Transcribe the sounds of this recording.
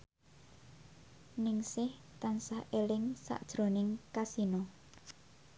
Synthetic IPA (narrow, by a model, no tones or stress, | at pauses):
nɪŋsɪh | t̪ansahʔelɪŋsa̰ʔd̥ʒ̥ɾo̤nɪŋkasinɔ